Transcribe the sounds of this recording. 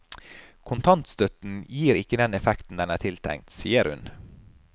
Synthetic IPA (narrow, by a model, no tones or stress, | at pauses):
kʰʊnt̪ʰɑnt̪st̪œt̪n̩jiːɾɪkːəd̪ɛnɛfɛkt̪n̩d̪ɛnæːt̪ʰɪlt̪ʰæ̰ŋ̚t̪siːəɾhʉ̰n